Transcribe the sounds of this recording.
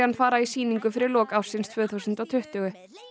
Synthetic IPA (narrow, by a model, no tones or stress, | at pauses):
hanfaːɾaisiːniŋkʏfɪɾɪɾlɔːkaːwsɪnst̪ʰvœːθusʏnt̪awt̪ʰʏht̪œɣʏ